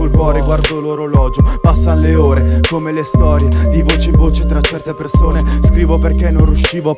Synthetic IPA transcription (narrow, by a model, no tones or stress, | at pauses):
olkwɔːɾeɡward̪oloɾolɔːd͡ʒopasːaleoːɾekomelest̪ɔːɾjed̪ivoːt͡ʃeiɱvoːt͡ʃet̪ɾat͡ʃːɛrt̪epersoːneskɾiːvoperkenːõnrjuʃːiːvo